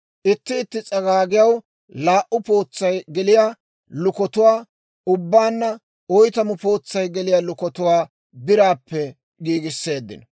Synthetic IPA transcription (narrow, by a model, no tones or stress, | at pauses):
ʔɪt̪ːɪːt̪ːɪt͡sʼɐɡaːɡɪjɐw | laːʔʊpo̞ːt͡sːɐjɡɛlɪja | lʊkɔt̪ʊwaː | ʊbːaːnːɐ | ɔjt̪ɐmʊpo̞ːt͡sːɐjɡɛlɪjaːlʊkɔt̪ʊwaː | b̪ɪɾaːpːɛ | ɡiːɡɪsːe̞ːd̪ːɪ̰n